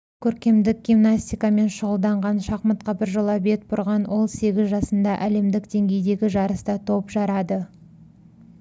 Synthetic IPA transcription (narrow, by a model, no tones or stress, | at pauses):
kʲʰɵɾkʲe̞md̪ɪk̚ɡʲimnasʲt̪ʲijkɑme̞nʃʊʁəlˠd̪ɑɴʁɑnʃɑqmət̪qɑbɪɾʒəlˠɑbe̞t̪̚bʊɾʁɑnwʔo̞lˠse̞ɡʲɪzʒɑsənd̪ɑʔæle̞md̪ɪkd̪e̞ŋɡʲe̞jd̪e̞ɡʲɪʒɑɾəst̪ɑt̪ʰo̞pʒɑɾɑd̪ə